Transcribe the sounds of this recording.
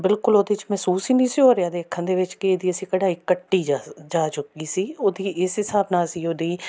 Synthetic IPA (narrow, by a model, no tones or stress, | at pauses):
bɪlkʊloːd̪eːɪt͡ʃmɛːsuːsiːnĩːsiːoːɾejaːd̪eːəkʰːə̃nd̪eːʋɪt͡ʃkeeːd̪iːəsĩːkəɽaːiːkəʈːiːd͡ʒaːt͡ʃʊkiːsiːoːd̪iːʔɪsɦɪsaːbnaːsiːoːd̪iː